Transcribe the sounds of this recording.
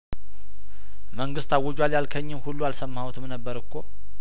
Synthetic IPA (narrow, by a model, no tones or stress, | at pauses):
məŋɡɨst̪ʰawod͡ʒwaljalkʰəɲːɪmhulːualsəmːhawt̪ʰɨmnəbːəɾɨkʰːo